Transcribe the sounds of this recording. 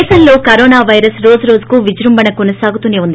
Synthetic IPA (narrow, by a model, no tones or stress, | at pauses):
sɐnlo̞ːkɐɾoːnaːʋɐjɾɐsɾo̞ːd͡ʒuɾo̞ːd͡ʒu̥kuːʋid͡ʒɾumbɐnɐkonɐsaːɡut̪uneːund̪i